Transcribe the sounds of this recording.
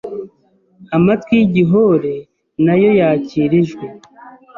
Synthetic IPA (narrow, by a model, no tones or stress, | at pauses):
amatkwiɟiɦo̞ɾe̞ | najo̞jaːciːɾiʒɡwe